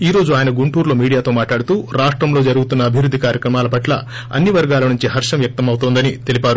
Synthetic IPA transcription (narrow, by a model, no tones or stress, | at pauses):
iːɾo̞ːd͡ʒuaːjɐnɐɡuɳʈuːɾlo̞ːmiːɽijaːt̪o̞ːmaːʈlaːɽut̪uːɾaːʂʈɾɐmlo̞ːd͡ʒɐɾuɡut̪unːɐːbʱiʋɾud̪ʱːikaːɾjɐkɾɐmaːlɐpɐʈlɐ̰ | ɐ̰nːiʋɐɾɡaːlɐnuɲt͡ʃiɦɐɾʂɐmʋjɐk̚t̪ɐmɐwut̪oːnd̪ɐnit̪e̞lipaːɾu